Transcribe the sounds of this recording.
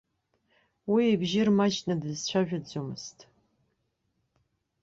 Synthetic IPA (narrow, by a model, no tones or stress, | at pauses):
wiebʒɪrmaʒnadɨzt͡ɕʷʰaʒᶣad͡zomɨstʰʼ